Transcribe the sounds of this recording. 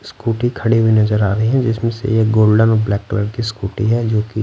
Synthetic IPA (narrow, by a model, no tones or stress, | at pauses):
skuːʈikʰɐɽiɦuinɐzəɾaːɾɐɦiɦɛ̃d͡ʒɪsmẽsḛjeɡoːlɖənblɛːkʈɾəɖkiskuːʈḭɦɛːd͡ʒoːki